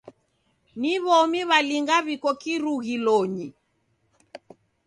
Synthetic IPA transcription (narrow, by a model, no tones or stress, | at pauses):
niβɔmiβaliŋɡaβikɔkiɾuɣilɔɲi